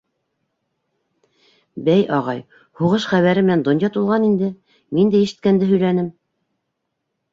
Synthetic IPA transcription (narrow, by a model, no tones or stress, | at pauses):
bæjʔɑʁɑj | huʁɤʃχæβæɾɘmɘ̆nænd̪ŏnjɑt̪ulˠʁɑnind̪ɘ | mind̪æjɘ̆ʃɘ̥̆t̪̚kænd̪ɘɦɵ̆jlænɘm